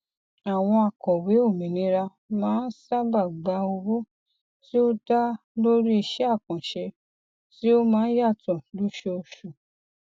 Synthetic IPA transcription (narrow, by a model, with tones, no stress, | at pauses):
a˨w̃ɔ̃˧a˨kɔ˨we˨˦o˦˨mĩ˨nĩ˧ɾa˧ | mãː˨˦n̩˦sa˦ba˦˨ɡ͡ba˧˦o˧wo˦ | ti˦o˦da˦ | lo˦ɾi˦i˧˨ʃɛ˦a˦˨kɔ̃˨ʃe˧ | ti˦o˦mãː˨˦n̩˦ja˦˨tɔ̃˨lu˦ʃe˧o˧ʃu˨